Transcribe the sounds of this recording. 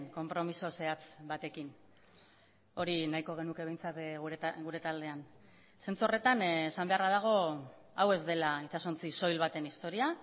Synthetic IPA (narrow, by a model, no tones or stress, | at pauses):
ŋko̞mpɾo̞miso̞se̞at͡sbat̪e̞kin | o̞ɾinajko̞ɣ̞e̞nuke̞β̞e̞jnt͡sat̪ɣuɡuɾe̞t̪ald̪e̞an | se̞nt͡suore̞t̪anesambe̞araðaɣ̞o̞awe̞zd̪e̞lait͡ʃasont͡siso̞jlβat̪e̞nist̪o̞ɾia